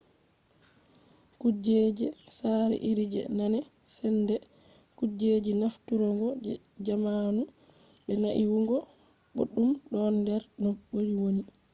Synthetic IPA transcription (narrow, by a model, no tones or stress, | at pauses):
kud͡ʒed͡ʒɛsaɾɛ̰ʔiɾid͡ʒɛ̰nanɛ | sɛndɛ | kud͡ʒed͡ʒinaftuɾɔŋɡɔd͡ʒɛ | d͡ʒamanu | ɓɛnaʔiwuŋɡɔ | ɓo̰ɗːumɗɔndɛɾnɔɓːojwoni